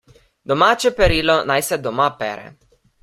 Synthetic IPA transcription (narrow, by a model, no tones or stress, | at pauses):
d̪omat͡ʃepeɾilonajsed̪omapḛɾɛ̰